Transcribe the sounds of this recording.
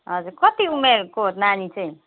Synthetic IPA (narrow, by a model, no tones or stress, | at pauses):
ɦʌd͡ʒukʌt̪iumeɾkot̪nanit͡ʃʰi